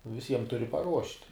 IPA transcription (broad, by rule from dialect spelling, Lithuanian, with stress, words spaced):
ʋʲɪˈsʲiɛm ˈtʊrʲɪ pɐˈruɔʃʲtʲ